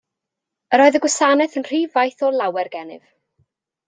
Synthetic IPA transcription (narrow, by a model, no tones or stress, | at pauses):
əɾɔːɨðəɡwɪsanɛθənr̥iːvajθɔlˠawɛrɡɛnɪ̰v̥